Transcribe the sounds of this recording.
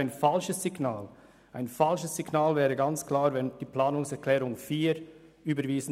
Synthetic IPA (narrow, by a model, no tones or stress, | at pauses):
ɪnfalʃəsːɪɡnaːl | ʔaɪnfalʃəsːɪɡnaːlvɛːʁəɡant͡skʰlaːɾvɛnd̥iːpl̥aːnʊŋsɛʁkʰl̥ɛːʁʊŋfiːɾyːbəɾviːzn̩